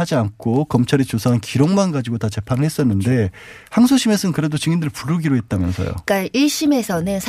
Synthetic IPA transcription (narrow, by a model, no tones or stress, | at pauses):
ad͡ʑiankʰokʌmt͡ɕʰaɾit͡ɕosʰaɯnkiɾoŋmanɡad͡ʑiɡotat͡ɕe̞pʰanɯɭhe̞s͈ʌnːɯnde̞ | haŋsʰoɕʰime̞sʰɯnkɯɾe̞dot͡ɕɯŋindɯɭpuɾɯɡiɾoɦe̞t̚t͈amjʌ̰nsʰʌ̰jo̰k͈aiɭɕ͈ime̞sʰʌnɯnsʰ